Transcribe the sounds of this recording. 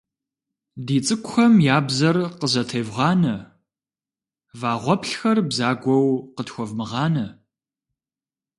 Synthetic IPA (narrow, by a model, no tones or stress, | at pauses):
diːt͡sʼɨkʷʼʊxɐmjaːbzɐrqəzɐtʰɐjvʁɑːnɐ | vaːʁʷɔpʰɬxɐrbzaːɡʷɔwqətxʷɔvmɨʁɑːnɐ